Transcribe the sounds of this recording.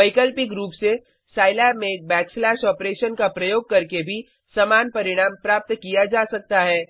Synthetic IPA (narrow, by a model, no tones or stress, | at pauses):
ɐɪkəlpɪkɾuːpse | saːɪlɛːmẽk̚bɛːkslɛːʃɔːpɾeːʃənkapɾɐjoːɡ̚kɐɾkebʱi | sɐmaːnpɐɾɪɽ̃aːmpɾaːp̚t̪kijad͡ʒaːsɐk̚t̪aɦɛː